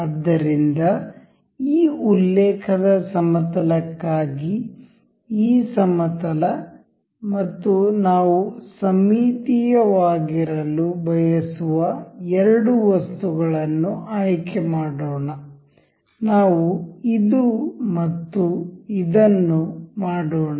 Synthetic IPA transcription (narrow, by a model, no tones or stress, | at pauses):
ɐd̪ːɐɾind̪ɐ | iːulːɛːkʰɐd̪ɐsɐmɐt̪ɐlɐkːaːɡi | iːsɐmɐt̪ɐlɐ | mɐt̪ːunaːʋusɐmiːt̪ijɐʋaːɡiɾɐlubʱɐjɐsuʋɐɛɾɐɽuʋɐst̪uɡɐɭɐnːuʔaːjkɛmaːɽoːɳɐ | naːʋuid̪umɐt̪ːuid̪ɐnːumaːɽoːɳ